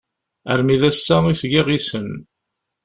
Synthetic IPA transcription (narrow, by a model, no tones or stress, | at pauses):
ə̰ɾmiðæsːæisɡiʁisən